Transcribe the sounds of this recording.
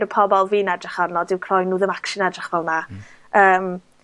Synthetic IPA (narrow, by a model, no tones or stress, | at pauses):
ɾəpʰɔbɔlˠviːnadrɪχarnɔdɪwkʰrɔjnuːðɪmakʃɪnadrɪχvɛlˠna | əːm